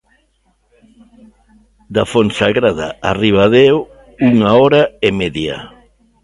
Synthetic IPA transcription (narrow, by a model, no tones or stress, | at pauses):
d̪afonsaɣɾaða̰ariβaðeo | uŋaɔɾaemeðja̰